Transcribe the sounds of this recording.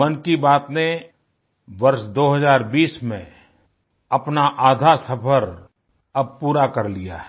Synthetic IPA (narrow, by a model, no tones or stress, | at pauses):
mənkibaːt̪ne | ʋɐɾʃd̪oːɦəzaːɾbiːsmḛ̃ | ɐpnaʔaːd̪ʱasɐpʰəɾ | ɐb̚puːɾakɐɾlija̰ː